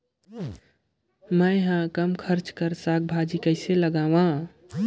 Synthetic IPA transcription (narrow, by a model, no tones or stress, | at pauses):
məjɦãkəmkʰəɾt͡ʃkəɾsak̚bʱad͡ʒikəɪseləɡawã